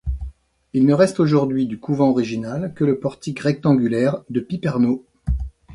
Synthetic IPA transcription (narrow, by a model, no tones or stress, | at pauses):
ilnəʁɛst̪oʒuʁd̪ɥid̪ykuvɑ̃ɔʁiʒinalkələpɔʁt̪ikʁɛk̚t̪ɑ̃ɡʲylɛʁd̪əpipɛʁno